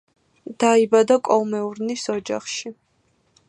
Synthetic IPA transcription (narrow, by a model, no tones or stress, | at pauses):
d̪̥aibad̪akʼɔlmɛuɾnisɔd͡ʒa̰χʃi